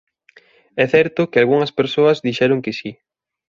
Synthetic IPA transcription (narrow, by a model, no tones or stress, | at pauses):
ɛθɛɾt̪ʊkɪalɣuŋɐspeɾsoɐzðiʃɛɾʊŋkɪsi